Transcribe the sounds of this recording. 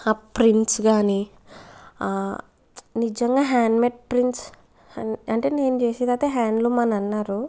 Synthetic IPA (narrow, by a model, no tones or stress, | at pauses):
apɾiɳʈsɡaːni | nid͡ʒɐŋɡaːɦaːɳɖmeʈ̚pɾinʈs | ɐɳʈe̞ːne̞ːnut͡ʃeːsid̪aːt̪eːɦaːɳɖlumɐnɐɐnːaːɾu